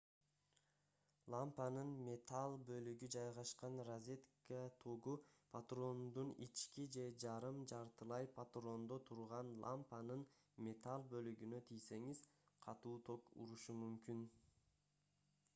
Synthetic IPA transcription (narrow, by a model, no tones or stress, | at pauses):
lˠampanɯnmʲe̞t̪ʰalˠbø̞lyɡyd͡ʒɑjʁɑʃqɑnrazʲet̪kat̪ʰoɡupʰat̪ro̞nd̪unit͡ʃkid͡ʒe̞d͡ʒɑɾɯmd͡ʒɑɾt̪ɯlˠɑjpʰat̪ro̞nd̪o̞t̪ʰuɾʁɑnlˠʔa̰mpanɯn | mʲe̞t̪alˠbø̞lyɡynøt̪ʰijse̞ŋiz̥qʰɑt̪uːt̪ʰo̞kṵɾuʃumymkyn